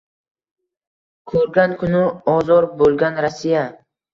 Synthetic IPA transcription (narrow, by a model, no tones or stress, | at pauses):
kʰɵɾɡʲankʰʊnɪɒzɒɾbolˠɡʲanɾasːija